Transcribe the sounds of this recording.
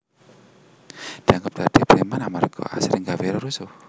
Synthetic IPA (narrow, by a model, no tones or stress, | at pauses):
d̪̥iaŋɡap̚d̥ad̪̥eb̥ɾemanamarɡ̥ɔ̰ʔa̰sɾɪŋɡaweɾoɾusu